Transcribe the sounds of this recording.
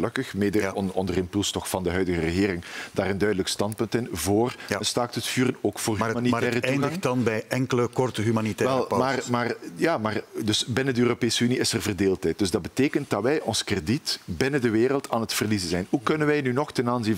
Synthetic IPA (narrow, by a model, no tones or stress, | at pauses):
løkəxmeːdənɔndərɪmpylˠstɔxfɑndəɦœɥdəɣərəɣeːɾɪŋd̥aːrəndœɥdələkstɑnt̚pɵntɪnvoːrənstaːk̚tətfyːrənoːkfoːrɦmaniɛːrəuɣaŋdɑnbɛjɛŋkələkɔrtəɦymanitɛʋɛlˠmaːmaːrjaːmaːrdɵsbɪnədəøːropeːsəyniɪsərvərdeːlˠtɦɛjt̚d̥ɵzdɑd̚bəteːkənt̚d̥ɑʋɛjʔɔnskreditbɪnədəʋeːrəlˠtʰaːnətfərlizəzɛjnhukɵnənʋɛjnynɔxtɛnaːnzi